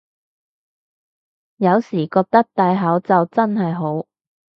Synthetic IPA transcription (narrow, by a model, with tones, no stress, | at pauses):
jɐ˨˧wsiː˨˩kɔː˧k̚t̪ɐ˥k̚t̪aː˨˧jɦɐː˨˥wt͡sɐ˨wt͡sɐ˥nɦɐ˨jɦo˨˥w